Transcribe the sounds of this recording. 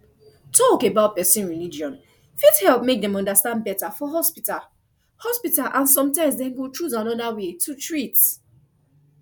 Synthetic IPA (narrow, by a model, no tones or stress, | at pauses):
tʰɔkebaʊt̚pɛsĩnɹilid͡ʒiɔ̃n | fithɛlˠp̚mek̚dɛ̃mɔ̃ndastãnd̚bɛtafɔɦɔspital | hɔspitalʔãnsɔ̃mtãɪ̃msdɛ̃mɡotʰɹuzãnɔdawetʰutɹit